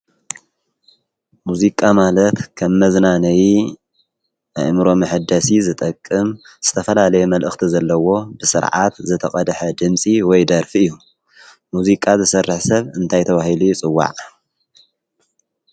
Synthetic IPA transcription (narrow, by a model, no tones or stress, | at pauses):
muzikʼamalɐt̪kʰɐmːɐznanɐji | a̰jmɨɾo̞mɨħɨd̪ɐsizɨt̪ʼɐkʼːɨm | z̥ɨt̪ʰɐfɐlalɐjɛmɐlʔɨxt̪ʰizɐlːɐwo̞bɨsɨ̰ɾʕa̰t̪zɨt̪ʰɐχʼɐd̪ħɐd̪ɨmsʼiwɔjd̪ɐɾfiɨjːu | muzikʼazɨsɐrːɨħsɐβɨnt̪ʰajt̪ʰɐβahilut͡sʼɨwːa̰ʕ